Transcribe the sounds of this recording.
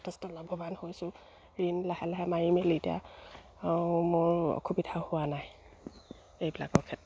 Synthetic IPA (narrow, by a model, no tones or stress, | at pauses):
tʰɛstɔlɔbʱɔbanhojsʊ̃ | ɹinlahɛlaɦɛmajimelitija̰ | mʊɹɔ̰kʰubidʰʱahʊwanaj | ejbila̰kɔɹkʰɛt